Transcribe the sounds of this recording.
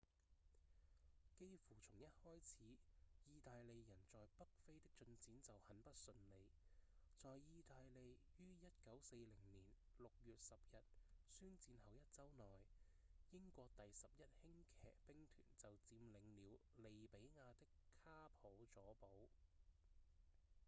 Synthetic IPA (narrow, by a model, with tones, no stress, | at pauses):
ke˥jfuː˨˩t͡sʰʊ˨˩ŋjɐ˥t̚hɔː˥jt͡sʰiː˨˥jiː˧t̪aː˨jle˨˧jjɐ˨˩nt͡sɔː˨jpɐ˥k̚fe˥jt̪ɪ˥k̚t͡ʃɵ˧nt͡siː˨˥nt͡sɐ˨whɐ˨˥npɐ˥t̚sɵ˧nle˨˧j | t͡sɔː˨jjiː˧t̪aː˨˧jle˨˧jjyː˥jɐ˥t̚kɐ˨˥wse˧jlɪ˨˩ŋniː˨˩n | lʊ˨k̚jyː˨t̚sɐ˨p̚jɐ˨t̚syː˥nt͡siː˧nhɐ˨˩wjɐ˥t̚t͡sɐ˥wnɔː˨˩j | jɪ˥ŋkʷɔː˧k̚t̪ɐ˨jsɐ˨p̚jɐ˥t̚hɪ˥ŋkʰɛ̰ː˨˩k̚pɪ˥ŋt̪ʰy̰ː˨˩nt͡sɐ˨wt͡siː˨˧mlɪ˨˧ŋliː˨˧wle˨jpe˨˥jŋaː˧t̪ɪ˥kʰːaː˥pʰo˨˥wt͡sɔː˨˥po˨˥w